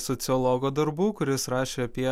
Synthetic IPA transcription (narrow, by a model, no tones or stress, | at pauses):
sɔt̪sʲɪɔlˠɔɡoːd̪ɐɾbuːkʊɾʲɪsɾɑːʃʲeːɐpʲiɛ